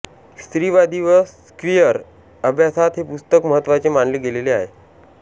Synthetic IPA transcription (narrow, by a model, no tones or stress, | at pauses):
st̪ɾiːʋad̪iʋəsskɾijəɾ | əbʱjasat̪ɦepust̪əkməɦət̪ːʋat͡semaɳleːɡeleleaɦḛ